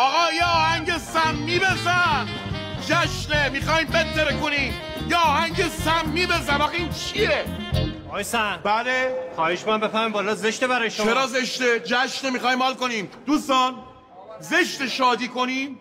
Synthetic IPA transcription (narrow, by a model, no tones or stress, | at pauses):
ɒːɣɒːjeɒːhæɲɟesæmːiːbezæn | d͡ʒæʃnemixɒːimbet̪ʰːeɾekoniːm | jeɒːhæɲɟesæmːiːbezænɒɣint͡ʃʰie | jesænb̥ælexɒːheʃbeambefæɾmimbɒːlɒːzeʃt̪ebæɾɒːjeʃoeɾɒːzeʃt̪ed͡ʒæʃnemixɒːjːmɒːlkoniːmd̪uːst̪ɒːn | ze̞ʃt̪eʃɒːd̪iːkoniːm